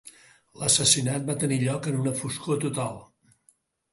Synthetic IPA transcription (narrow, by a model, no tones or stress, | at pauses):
ləsəsinat̪̚bat̪əniʎɔkənunəfuskot̪ut̪alˠ